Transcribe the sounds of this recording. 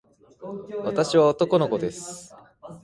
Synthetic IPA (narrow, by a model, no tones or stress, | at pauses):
βat̪aɕiβaot̪o̞ko̞noko̞d̪e̞sɨ̥